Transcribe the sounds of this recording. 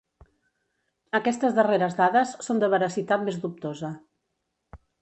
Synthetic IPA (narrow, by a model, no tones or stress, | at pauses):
əkɛst̪əzðəreɾəzðaðəsːond̪əβəɾəsit̪at̪̚mezðup̚t̪ozə